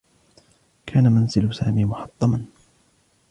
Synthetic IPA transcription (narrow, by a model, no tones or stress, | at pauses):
kʰaːnamanzɪlʊsaːmiːmʊħɑt̪ˤːɑmɑn